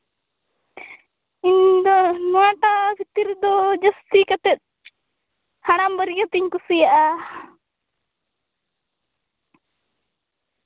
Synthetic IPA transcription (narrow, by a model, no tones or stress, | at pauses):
iɲd̪ɔnuaʈabʱit̪iɾɛd̪ɔd͡ʒəst̪ikat̪ɛt̪̚ | haɽ̃ambəɾiɡat̪iɲkusijaʔa